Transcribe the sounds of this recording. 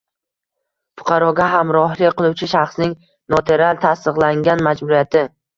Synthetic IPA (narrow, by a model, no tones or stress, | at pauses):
fʊ̥qʰɑɾɒɡʲaɦamɾɒɦlˠɪkʲqɨlˠuwt͡ʃʰɪʃaχsnɪŋ | not̪ʰe̞ɾalt̪ʰast̪ɨqlˠaŋɡʲanmad͡ʒbʊɾijat̪ʰɪ